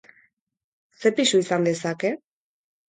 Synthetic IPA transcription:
se̞pisuisand̪e̞sake̞

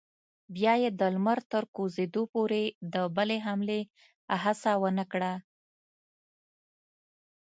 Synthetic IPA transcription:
bjɑjed̪əlmaɾt̪əɾkozed̪opoɾed̪əbəleɦamle | aɦasawənəkɽa

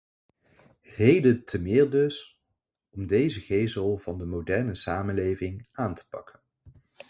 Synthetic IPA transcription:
ɦejdətʰəmɪːɹdɵs | ɔmdejzəɣejzəlˠv̥ɑndəmowdɛɹnəsaːmənlejvɪŋʔaːntʰə̥pɑ̰kən

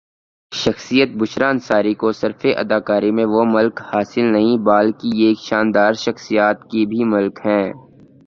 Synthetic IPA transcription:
ʃɐxsijət̪̚bʊʃɾaːnsaːɾikosɐɾfeʔɐ̰d̪aːkaːɾimẽʋomʊlkhaːsɪlnɐɦĩbaːlkieːkʃaːnd̪aːɾʃɐxsijaːt̪kibʱimʊlkɦɛ̃ː

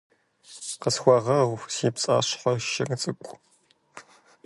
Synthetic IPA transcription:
qəsxʷɔʁɐʁʷsiːpt͡sʼa̰ːɕħʷɔʃɐŋt͡sʼɨkʷʼ

